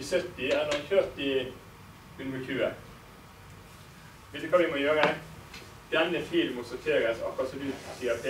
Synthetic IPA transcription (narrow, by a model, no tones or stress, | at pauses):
sœt̪ɪɛnɑɾçøːɾt̪ɪ | ʉnəçʰʉːə | ʋeːt̪əkʰɑːʋɪmoːjøːɾə | d̪̥ɛnːəfiːlmʊt̪sɔtʰeːɾəsɑ̰kɑt̪sɔmd̪ʉːsiːɑp̪ʰe